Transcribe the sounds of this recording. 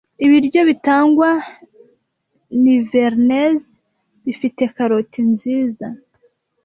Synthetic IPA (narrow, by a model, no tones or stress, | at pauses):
iβiɾɟo̞βitaːŋɡwa | niveɾnez | βifite̞kaɾotʰinziːza